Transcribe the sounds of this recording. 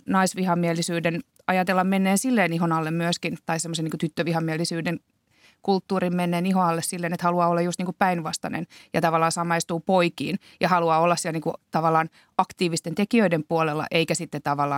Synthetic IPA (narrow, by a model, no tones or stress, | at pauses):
nɑisʋihɑmiɛlːˑisyːden | ɑjɑt̪elːɑmmenːeːnsilːeːniɦonɑlːemmyøskint̪ɑisemːoseniŋkut̪yt̪ːøʋihɑmiɛlːˑisyːdeŋ | kult̪ːuːrimmenːeːniɦoɑlːessilːeːnet̪hɑluɑːolːɑjust̪niːŋkuppæinʋɑst̪ɑ̰nḛnjɑt̪ɑʋɑlːˑɑːnsɑmɑist̪uːpoikḭːn | jɑhɑluɑːolːɑssiɛlniːkut̪ɑʋɑlːˑɑːn | ɑkt̪iːʋist̪ent̪ekiøidempuolelːɑ̰ʔeikæsit̪ːet̪t̪ɑʋɑlːˑɑː